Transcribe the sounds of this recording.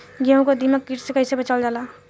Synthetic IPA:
ɡeõkod̪iməkːiːʈsekəɪsebət͡ʃald͡ʒaːla

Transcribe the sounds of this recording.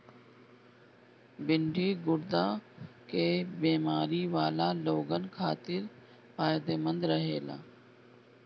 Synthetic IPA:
bɪɳɖʱiːɡʊɽd̪aːkeːbeːmaːɾiːʋaːlaːloːɡənkʰaːt̪ɪɾ | paːjd̪eːmə̃nd̪ɾəɦeːla̰ː

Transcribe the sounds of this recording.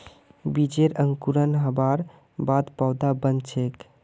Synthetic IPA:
bid͡ʒeɾəŋkuɾənɦəbaɾ | bad̪pawd̪abənt͡ʃʰek

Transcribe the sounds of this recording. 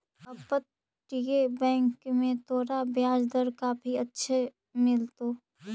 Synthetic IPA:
əpət̪̚ | ʈiebɛ̃ːŋkmẽt̪ʰoːɾabjaːd͡ʒd̪əɾkaːpʰiətːʃʰe | mɪlt̪oː

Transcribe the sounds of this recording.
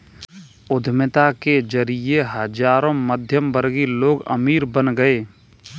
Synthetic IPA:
ʊd̪ʱmɪt̪aked͡ʒəɾijeɦəd͡ʒaːɾõməd̪ʱjəmbəɾɡiloːɡə̰miːɾbənɡəeː

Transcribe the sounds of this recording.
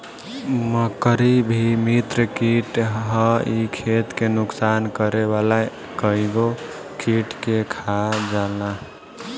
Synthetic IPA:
məkəɾibʱimit̪ɾəkiʈɦəikʰet̪kenʊksankəɾebala | kəiɡo | kiʈkekʰad͡ʒala

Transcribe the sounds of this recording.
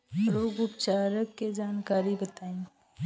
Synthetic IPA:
ɾoːɡʊpt͡ʃaːɾəkːed͡ʒaːnkaːɾibət̪aːẽː

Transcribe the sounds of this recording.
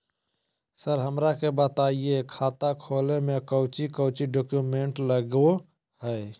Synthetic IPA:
səɾɦəmɾakebət̪aiekʰat̪akʰolemekəʊt͡ʃikəʊt͡ʃiɖokjumeɳʈləɡo | həe

